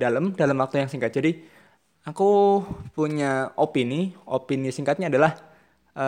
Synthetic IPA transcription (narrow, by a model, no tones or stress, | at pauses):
daləmdaləmwak̚t̪ujaŋsiŋkat̪̚d͡ʒadi | akupuɲaʔopiniopinisiŋkat̪̚ɲaːdalah | ʔə